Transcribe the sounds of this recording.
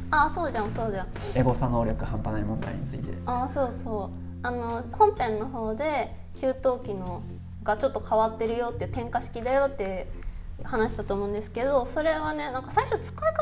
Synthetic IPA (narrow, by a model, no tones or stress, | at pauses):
aso̞ːd͡ʑãɰ̃so̞ːd͡ʑã | eɡo̞sano̞ːɾʲjo̞kɯ̟hãmpanaimõ̞nd̪a̰ḭɲ̟it͡sɨit̪e̞̰aːso̞ːso̞ː | ano̞kʰõ̞mpẽ̞nːo̞ɦo̞ːd̪e̞ | kʲɨːt̪o̞ːkʲino̞ | ɡat͡ɕo̞t̪ːo̞kʰaβat̪ːe̞ɾɯ̟jo̞t̪ːeiɯ̟t̪ẽ̞ŋkaɕi̥kʲid̪ajo̞t̪ːe̞ | hanaɕi̥t̪at̪oːmõːnd̪e̞sɨ̥ke̞d̪o̞so̞ɾe̞βane̞nãŋkasaiɕo̞t͡sɨ̥kaika